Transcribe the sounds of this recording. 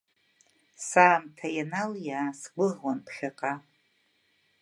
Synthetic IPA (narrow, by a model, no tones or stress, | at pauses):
saːmtʰajanaljaːsɡʷʊʁwanpʰχʲaqʼa